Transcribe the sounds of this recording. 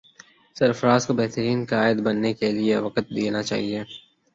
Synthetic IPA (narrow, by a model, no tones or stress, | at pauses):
sɐɾfəɾaːzkabɛɦt̪əɾiːnkaːɪd̪bɐnːekelieʋɐqət̪̚d̪eːnat͡ʃa̰ːɦie